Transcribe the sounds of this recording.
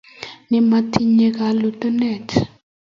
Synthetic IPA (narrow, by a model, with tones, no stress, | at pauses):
ni˨ma˨tʰi˨ɲɛ˨k̬a˨lɔ˨tʼɔ˦nɛː˨tʰ